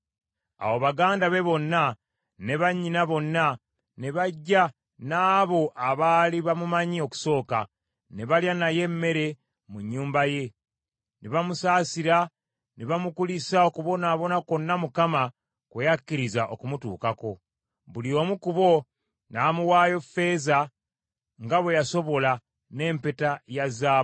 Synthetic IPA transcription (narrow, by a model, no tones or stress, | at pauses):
a̰wo̞βaɡaːndaβe̞βo̞nːa | ne̞βaɲːinaβo̞nːa | ne̞βaɟːa | naːβo̞ʔaβaːliβamumaɲio̞ku̥so̞ːka | ne̞βaljanaje̞mːe̞ɾe̞ | muɲːuːmbaje̞ | neβamusaːsiɾa | neβamukulisaokuβo̞naːβo̞nakonːamukama | kwejakːiɾizaʔokumutṵːkako̞ | βulio̞ːmukuβo̞ | namuwaːjo̞fe̞za | ŋɡaβwejaso̞βo̞la | ne̞ːmpetajazaː